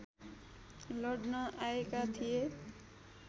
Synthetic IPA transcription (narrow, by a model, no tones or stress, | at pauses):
lʌɽnʌʔaekat̪ʰije